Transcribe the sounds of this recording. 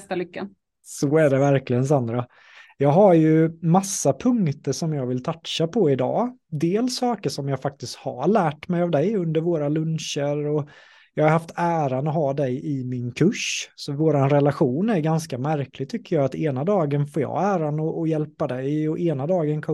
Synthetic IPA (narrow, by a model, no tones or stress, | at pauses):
t̪alʏkːa | sɔæɖɛvæɾklɪɡəns̬and̪ɾa | jɑːɡɦaɾjɵmasːapʰɵŋkt̪əʂɔmjɑːɡvɪlt̪ʰat̪ʂapʰɔɪd̪ɑ̰ːd̪eːlsɑːkəʂɔmjɑːɡfak̚t̪ɪst̪ha̰ɭæːʈmɛjavd̪ɛjɵnd̪əɾvoːɾalɵnʃəɾɔ | jɑːɡhaɾhaft̪æːɾanɔɦɑːd̪ɛjɪmɪnkʰɵʂsɔvoːɾanɾɛlaɧuːnæɾɡanskamæɾklɪɡ̚t̪ʰʏkːəɾjɑːat̪eːnad̪ɑːɡənfoːɾjɑ̰ːæːɾanɔʔɔjɛlpad̪ɛjɔʔeːnad̪ɑːɡənkʰɔ